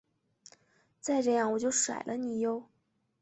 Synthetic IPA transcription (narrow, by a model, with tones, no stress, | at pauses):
t͡sa˥˧ɪʈ͡ʂɤ˥˧jɑ˥˩ŋwɔ˨˩t͡ɕjo˥˩ʊʂwa̰˨˩ɪlʔə˦ni˨˩jo˧˩˦ʊ